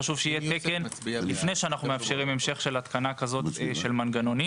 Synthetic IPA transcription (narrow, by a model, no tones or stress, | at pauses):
aʃuvʃeijet̪ekenlifnejʃeanaχnumeafʃeʁime̞mʃe̞χʃe̞lat̪kanakazo̞t̪ʃelmanɡano̞ni